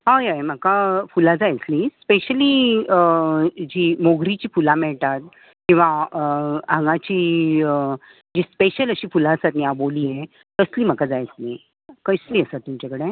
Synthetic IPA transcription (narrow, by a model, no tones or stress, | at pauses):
ɦajajm̤əkafulad͡zajt͡slispeɕəliəd͡ʑiːmoɡɾit͡ɕiːfulamɛɭt̪at̪̚ | kĩw̃ʋaəãŋɡat͡ɕiːə | d͡ʑiːspeɕələɕiːfulaəsat̪niaboliːje | t̪əsliːm̤əkad͡zajt͡sliː | kəsliːəsat̪ːumt͡ɕakəɽe